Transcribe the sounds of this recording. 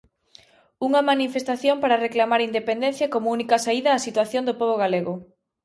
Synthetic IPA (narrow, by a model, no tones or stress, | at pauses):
uŋɐmanifest̪aθjompaɾɐreklamaɾind̪epend̪en̟θjɐkomʊunikɐsaiðɐːsit̪waθjond̪opoβoɣaleɣʊ